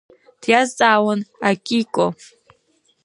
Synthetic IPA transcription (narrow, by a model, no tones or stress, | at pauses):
d̥ʰjazt͡sʼaːwanakʲʼikʷʼo